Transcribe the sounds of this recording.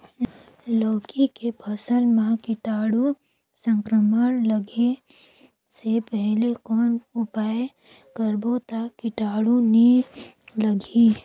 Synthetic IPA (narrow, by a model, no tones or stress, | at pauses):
lɔːkikepʰəsəlmãkɪʈaːɽu | sə̃ŋkɾəmənləɡe | sepɛɦlekɔːnʊpaːj | kəɾbot̪akɪʈaːɽuni | ləɡʱi